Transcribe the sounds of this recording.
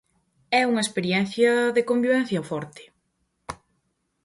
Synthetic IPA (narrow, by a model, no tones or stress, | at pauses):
ɛuŋɐespeɾjɛn̟θjɐðekombiβɛn̟θjɐfɔɾt̪ɪ̥